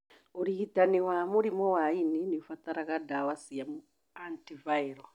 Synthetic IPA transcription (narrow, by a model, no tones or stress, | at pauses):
uɾiitaniwamuɾimɔwaininifataɾaɣadawasijamu | antivaiɾɔ